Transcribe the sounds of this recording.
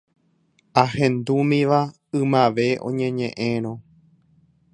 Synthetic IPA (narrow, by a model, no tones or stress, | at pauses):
ahẽ̞nd̪umĩʋa | ɨ̃mãʋe̞ʔõ̰ɲẽɲẽʔẽɾ̃õ